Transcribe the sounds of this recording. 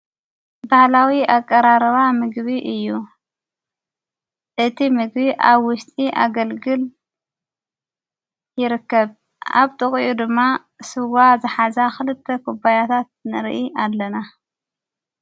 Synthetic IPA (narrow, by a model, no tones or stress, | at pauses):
bahlawiʔakʼːɐɾaɾβamɨɡβiʔɨjːu | ʔɨt̪ʰimɨɡbiʔaβwʊst̪ʼiʔa̰ɡɐlɡɨl | jɪɾɨkːɐβ | ʔa̰βt̪ʼɨχʼijud̪ɨmːa | sɨwazɨħazaxɨlɨt̪ʰːɐkʰubajat̪ʰat̪̚nɨɾʔiʔalːɐna